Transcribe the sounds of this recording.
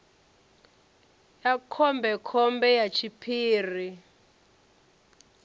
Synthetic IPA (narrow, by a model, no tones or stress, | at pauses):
jakʰɔmbɛkʰɔmbɛjat͡ʃʰipʰiːri